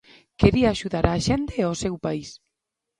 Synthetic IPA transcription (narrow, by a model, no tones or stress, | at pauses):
keɾiaːʃuðaɾaːʃent̪eosewpais